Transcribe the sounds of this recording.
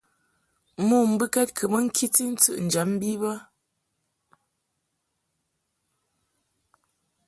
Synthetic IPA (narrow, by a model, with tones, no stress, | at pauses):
mu˦˨m̩˦bɨ˦kɛ˦t̚kʰə˨mə˦ŋ̩˦kʰi˦ti˦n̩˦t͡sɨ̰˦ʔn̩˨d͡ʒa˨˦m˦bi˦bə˦